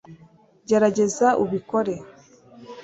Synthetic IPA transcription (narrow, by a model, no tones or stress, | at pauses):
ɟe̞ɾaɟe̞zaʔuβiko̞ɾe̞